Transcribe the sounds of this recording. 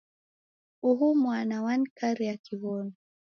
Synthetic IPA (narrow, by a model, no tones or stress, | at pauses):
uɦumwanawankaɾijakʰiβɔnu